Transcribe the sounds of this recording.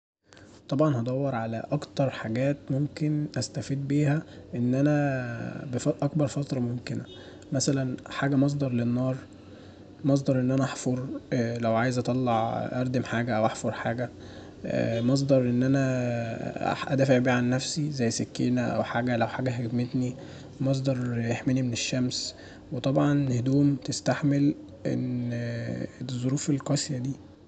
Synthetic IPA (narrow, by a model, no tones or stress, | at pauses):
t̪ˤɑbʕɑnhɑd̪ˤɑwːɑɾˤʕalæ̰ʔɑkt̪ɑɾˤħaɡæːt̪momkenʔæst̪æfiːd̪̚biːhæʔenːʔænæ | befɑʔɑkbɑɾˤfɑt̪ɾˤɑmomkenæ | mæsælænħaːɡæmɑs̬ˤd̪ˤɑɾˤlenːɑːɾˤ | mɑs̬ˤd̪ˤɑɾˤʔenːʔænæʔɑħfoɾˤlæwʕaːjezʔɑt̪ˤɑlːɑʕʔɑɾˤd̪emħaːɡæʔæwʔɑħfoɾˤħaːɡæ̰ | mɑs̬ˤd̪ɑɾˤʔenːʔænæ̰ | ʔæ̰d̪æːfeʕbiːʕanːæfsizæjːsekːeːnæʔæ̰wħaːɡælæwħaːɡæɦed̪met̪ni | mɑs̬ˤd̪ˤɑɾˤjeħmenimeneʃːæms | wet̪ˤɑbʕɑnhed̪uːmt̪est̪aħmel | ʔḛn | zˤːoɾuːfelqɑsjæd̪iː